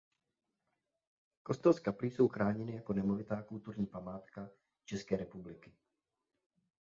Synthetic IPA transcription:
ko̞st̪ɛlskapliso̞wxɾaːɲɛnɪjako̞nɛmo̞vɪt̪aːkult̪uɾɲiːpamaːt̪ka | t͡ʃɛskɛːɾɛpublɪkɪ

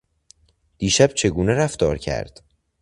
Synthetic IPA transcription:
d̪̥iːʃæb̥̚t͡ʃʰe̞ɡuːneɾæft̪ɒːɾcʰæ̰ɾd̪̥

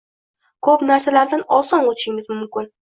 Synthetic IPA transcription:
kʰopnaɾsalaɾd̪anɒsɒnot̪ʰɪ̥ʃɪŋʲɪzmʊmkʲɪn

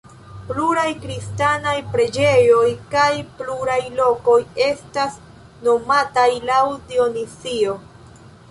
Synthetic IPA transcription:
pluɾajkɾistanajpɾe̞d͡ʒe̞jo̞jkajpluɾajlo̞ko̞je̞stas | no̞matajlawdio̞nisio

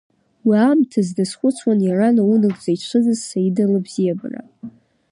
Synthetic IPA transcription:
wiamtʰazdasχʷʊt͡sʷʰwanjaranaunɨkʷʼzait͡ʃʷʰɨzɨzsaidalɨbzijaba̰ra̰

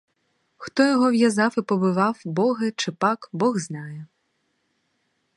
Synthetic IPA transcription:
xt̪ɔjɔɦɔʋjɐzɑwɪpɔbɪʋɑwbɔɦɪt͡ʃɪpɑkbɔɣznɑjɛ

